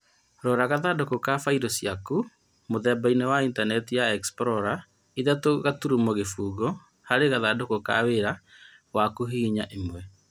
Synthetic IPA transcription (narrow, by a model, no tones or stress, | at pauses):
ɾɔːɾaɣaðadokokafaiɾɔsiaku | moðɛbainewaintanɛtijaɛkspɾɔɾa | iðatoɣatuɾumɔɣefuːɣɔ | haɾeɣaðadokoka̰weɾa | wakoɦiɲaʔemwɛ